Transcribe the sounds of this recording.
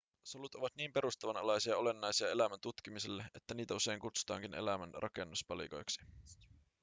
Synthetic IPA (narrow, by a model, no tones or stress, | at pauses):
solut̪o̞ʋɑt̪niːmpe̞ɾust̪ɑʋɑnɑlɑjsiɑole̞nːɑjsiɑe̞læmænt̪ut̪k̟imiselːeʔe̞t̪ːæniːt̪æuse̞jŋkut̪su̥t̪ɑ̰ːŋkine̞̰læmænrʔɑ̰ke̞nːuspɑlḭko̞̰jksi̥